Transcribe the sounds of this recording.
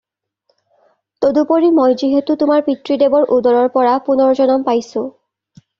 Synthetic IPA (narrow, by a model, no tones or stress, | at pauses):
t̪odupoɹimojziɦetutʊmaɹpitɹidebɔɹʔudɔɹɔɹpɔɹapunɔɹzɔnɔmpajsʊ̃